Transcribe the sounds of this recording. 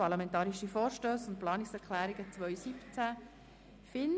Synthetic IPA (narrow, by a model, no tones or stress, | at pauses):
ɑɾlamɛnt̪ɑːɾiʃifɔːɾʃtøːsʊntplɑːnɪksɛɾklæːɾiɡət͡sʋœʏsipt͡sæ | fɪn